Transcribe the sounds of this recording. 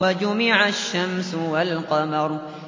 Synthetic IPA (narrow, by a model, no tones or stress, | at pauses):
ad͡ʒʊmɪʕaʃːamsʊwalqɑmɑɾˤ